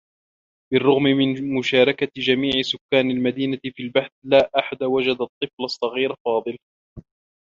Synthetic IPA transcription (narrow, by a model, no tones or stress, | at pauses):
bɪrˤːʊɣmɪmɪnmʊʃaːɾˤɑkad͡ʒamiːʕɪsʊkːaːnalmad̪iːnafiːlbaħθlaːʔaħad̪awad͡ʒad̪ɑt̪ˤːɨflɑsˤːɑɣiːɾfɑːðˤɨl